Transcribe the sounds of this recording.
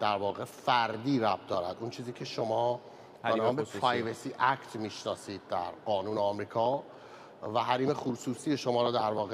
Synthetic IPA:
d̪̥æɾvɒːɣe̞fæɾd̪iːɾæb̚d̪ɒːɾæ̰d̪unt͡ʃʰiːziːcʰe̞ʃo̞mɒː | benɒːmbepʰɾɑjvesiʔæct̪ʰmiːʃnɒːsiːd̪̚ːæɾɢɒːnuːneɒmɾiːkʰɒː | væɦæɾiːme̞xusuːsiːjeʃomɒːɾɒːd̪æɾvɒːɣe

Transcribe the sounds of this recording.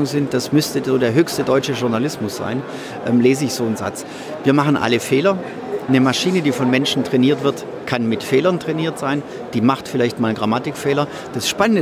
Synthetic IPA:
ʊŋzɪnt̚d̥asmʏstəzoːdeːɐɦøːçstədɔʏt͡ʃəʒʊɐnalɪsmʊsz̥a̰ɪn | ʔɛːmleːzəɪçz̥oːnza̰t͡s | viːɐmaχn̩ʔa̰ləfeːlɐ | nəmaʃiːnədiːfɔnmɛnʃn̩tʁ̥ɛniːɐtv̥ɪɐt | kʰanmɪtfeːlɐntʁ̥ɛniːɐtz̥aɪn | d̥iːmaχtfɪlaɪçtmaːlɡʁamatɪkfɛːlɐ | d̥asʃpanənd

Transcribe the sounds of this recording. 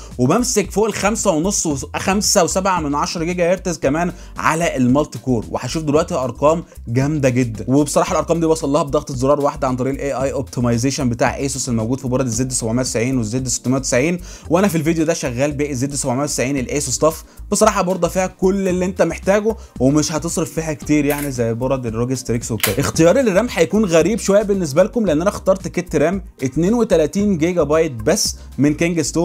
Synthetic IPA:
webæmsekfoːʔelxæmsæwenosˤːwexæmsæwesæbʕamenʕɑʃɾˤɑɡiːɡæjeɾt̪ezkæmæːn | ʕa̰læʔelmɑlt̪ikoːɾwḛħæʃuːfd̪elwæʔt̪ihʔɑɾˤqɑːm | ɡæmd̪æɡed̪ːænwebesˤɑɾɑːħɑlʔɑɾˤqɑːmd̪iːbɑsˤʔɑlːɑːhɑb̚d̪æxt̪ezɑɾˤɑːɾˤwaħd̪æʕant̪ˤɑɾiːʔelʔeʔɑjʔob̚t̪ʰimɑjzeʃænbet̪a̰ːʕʔejsoselmowɡuːd̪fibɑɾˤɑd̪ezːeːd̪ːsæbʕmenːjæt̪e̥sʕiːnwezːeːd̪ːse̥t̪ːæmenjæwt̪esʕiːn | weʔænæfilvid̪ejod̪æʃæɣːæːlbeːʔezːeːd̪ːsæbʕmijæt̪esʕiːnelʔesost̪ˤɑf | b̥esˤɑɾˤɑːħɑbɑɾˤd̪ˤɑfiːhækolːelːiʔent̪æmeħt̪æːɡo | wemeʃhɑt̪esˤɾeffiːhækt̪iːɾjaʕnizæjːbɑɾˤɑd̪eroɡest̪ɾekswekæʔext̪ejɑːɾˤelrːæːmħæjækuːnɣæɾiːbʃowæjːæbenːes̬bælkomleʔenːʔænæxt̪ɑɾˤt̪ket̪ːɾæːmʔet̪neːnwet̪ælæt̪iːnɡeɡæbɑjet̪̚bæsː | menkæŋɡest̪oː

